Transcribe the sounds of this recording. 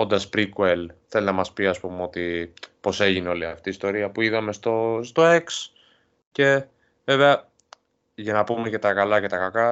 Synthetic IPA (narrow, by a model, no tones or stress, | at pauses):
o̞nd̪ɐspɾikwelθe̞linɐmɐspiɐspumeo̞t̪ipo̞se̞ʝineo̞liɐft̪iːst̪o̞ɾiɐpuiðɐme̞st̪ost̪o̞e̞ks | ce̞ | ve̞ve̞ɐ | ʝɐnɐpumece̞t̪ɐkɐlɐce̞t̪ɐkɐkɐ